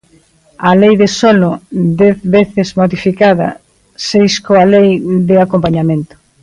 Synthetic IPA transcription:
alejðesɔlʊd̪ɛθβeθɪzmoðifikaðɐ̰ | sejskoalejðɪakompaɲamẽnt̪ʊ̥

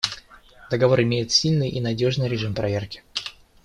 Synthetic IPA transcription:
d̪əɡɐvo̞ɾɪmʲejɪt̪sʲilʲnɨjʔinɐdʲo̞ʐnɨjɾʲɪʐɨmpɾɐvʲerkʲɪ̥

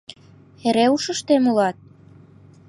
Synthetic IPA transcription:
eɾeuʃə̆ʃt̪emulɑt̪̚

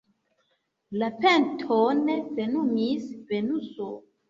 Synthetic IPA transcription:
lapentʰonevenumisvenuso

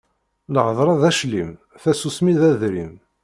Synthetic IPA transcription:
ləʕəðˤɾˤɑðæʃlim | θæsusmiðæðɾim

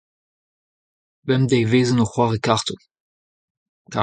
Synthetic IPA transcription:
bɛmdɛjveːzənoχwaʁekaʁtu | ka

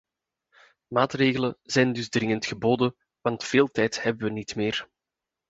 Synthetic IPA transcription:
maːtreːɣələnzɛjndʏzdrɪŋəntxəboːdən | ʋɑntfeːlˠtɛjthɛbəʋənitmeːr

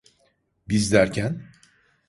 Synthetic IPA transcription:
bizd̪æɾcʰæn

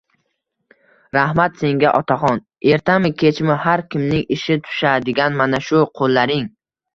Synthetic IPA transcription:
ɾahmat̪se̞ŋɡʲaʔɒt̪ʰaχɒn | e̞ɾt̪ʰamɪkʲʰe̞t͡ʃmɪhaɾkʲɪmnɪŋɪʃɪt̪ʰʊ̥ʃad̪ɪɡʲanmanaʃʊqʰolˠːaɾɪŋ

